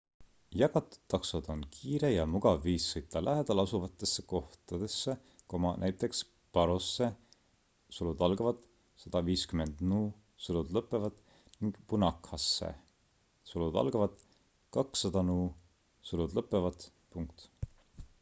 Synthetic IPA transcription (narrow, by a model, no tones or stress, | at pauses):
jɑɡɑt̪ːˑu̥d̪̥ːɑksɑd̪̥o̞nkʰiːɾejɑmuɡ̥ɑvːiːsːɤjt̪ːˑɑlʔæɦed̪̥ɑlɑsuvɑt̪ːˑe̞sːe̥ko̞ht̪ɑd̪̥e̞sːe | ko̞mɑnʔæjt̪ːˑe̞ks | pɑɾosːe̞ | sulud̪̥ɑlɡɑvɑd̪̥ | sɑd̪̥ɑviːskyme̞nd̪̥nuː | sɤlud̪̥lɤpːˑe̞vɑd̪̥ | niŋɡ̥punɑkhɑsːḛ | sulud̪ɑ̰lɡ̥ɑvɑd̪̥ | kɑksːɑd̪̥ɑnuː | sulud̪lɤpːˑe̞vɑd̪̥ | puŋk̚t̪